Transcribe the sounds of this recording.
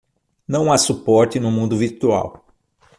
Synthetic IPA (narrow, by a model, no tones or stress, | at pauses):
nɐ̃w̃asupɔɾt͡ʃɪnʊmũnd̪ʊviɾt̪ua̰w